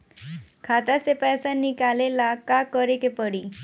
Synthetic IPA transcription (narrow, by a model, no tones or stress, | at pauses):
kʰat̪asepɛsanːikalelakakəɾekepəɽi